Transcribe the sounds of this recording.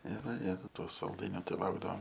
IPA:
ɪr ɪr toː sɐlˠˈdɐɪnʲoː ˈtɐɪ ˈlˠɐʊɡdɐʋoːm

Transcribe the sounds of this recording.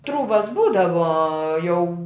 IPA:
ˈtruːbɐs ˈbuːdɐʋoː jɛʊ

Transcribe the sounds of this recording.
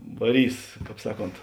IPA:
ʋɐˈrʲiːs ˈkɑːp ˈsɑːˌkoːnt

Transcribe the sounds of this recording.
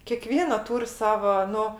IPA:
kʲeːˈkʋʲiɛnɐ ˈtuːrʲ ˈsɑːʋɐ ˈnʊ

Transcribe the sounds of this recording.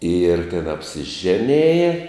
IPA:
ɪr tʲɛn ɐpʲsʲɪˈʒʲæːnʲeːjɛ

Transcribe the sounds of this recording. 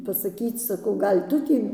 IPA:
pɐsɐˈkʲiːt͡s sɐˈkɐʊ ˈɡɐlʲ ˈtʊ tʲiː

